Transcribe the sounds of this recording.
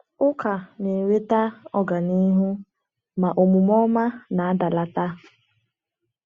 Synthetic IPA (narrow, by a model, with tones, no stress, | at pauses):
ʊ˦ka˨ne˨ɾe˦ta˦ɔ˦ɡa˨ni˦ɦu˦ | ma˨ʔo˨mu˨mɔ˦ma˦na˨a˦da˨la˦ta˦